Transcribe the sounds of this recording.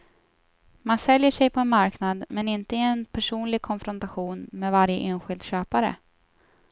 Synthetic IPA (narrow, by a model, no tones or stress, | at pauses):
mansɛljəʂɛjpʰɔɛnmaɾknad̪mɛnɪnt̪əɪɛnpʰæʂuːnlɪɡ̚kʰɔnfɾɔnt̪aɧuːnmeːvaɾjə̰ʔeːnɧɪld̪ɕøːpaɾə̰